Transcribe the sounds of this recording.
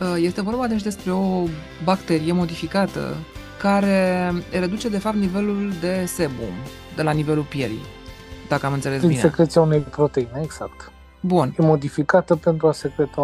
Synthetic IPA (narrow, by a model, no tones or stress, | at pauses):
əje̞st̪e̞vo̞rbad̪e̞t͡ʃʲd̪e̞spɾe̞o̞ | bakt̪e̞ɾijemo̞d̪ifikat̪ə̰ | kaɾe̞re̞d̪ut͡ʃe̞d̪e̞fapt̪nive̞luld̪e̞se̞bṵm | d̪elanive̞lulpje̞̰ɾḭd̪akəamɨnt̪selesd̪iinesekɾe̞t̪sijaunejpɾo̞t̪e̞ineeɡz̥akt̪ | bunjemo̞d̪ifikat̪əpe̞nt̪ɾuasekɾet̪a